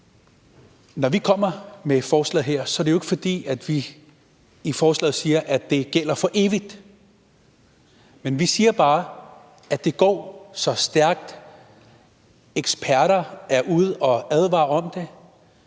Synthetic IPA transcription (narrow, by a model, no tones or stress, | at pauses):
nɒʋikʰɒ̽m̰ɐmefɒːslɛ̰ːð̩ˠɦeɐ̰sɒ̽ædɾejoeɡ̥əfɒ̽d̥ḭːæd̥ʋiː | fɒːslɛ̰ːð̩ˠsiːɐʔæd̥e̝ɡ̥el̰ɐfɒ̽ʔe̝ːʋid̥ | menʋisiːɐb̥ɑ̈ː | æ̥e̝ɡ̥ɒ̰ːsɒ̽sd̥æɐɡ̥̚d̥ | eɡ̥sb̥ʰæɐɾ̥ɐæɐʔuð̞̰ˠɒ̽æð̞ˠʋɑ̰̈ːɒ̽md̥e̝